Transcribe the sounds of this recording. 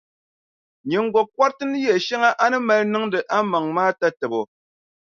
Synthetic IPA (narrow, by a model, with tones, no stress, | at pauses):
ɲe˨ŋ̩˦ɡwɔ˨kwa˦ɾtɨ˦n˦jɛ˨ʃɛ˦ŋa˦ʔa˦nɨ˦mɛ˦lnɨ˦ŋdɨ˨ʔa˦ma˨ŋmaː˦ta˦tɛ˨bo˨